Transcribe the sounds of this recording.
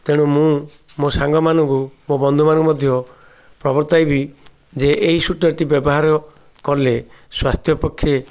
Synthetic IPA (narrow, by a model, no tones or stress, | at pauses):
t̪eɽ̃ũmũmosaŋɡɔmanɔŋkumobɔnd̪ʱumanɔŋkumɔd̪ʱjɔ | pɾɔbɔɾt̪ajbi | d͡ʒeʔeɦisuʈɔʈibjɔbɔɦaɾɔ | kɔɾleswast̪ʰjɔpɔkʰːe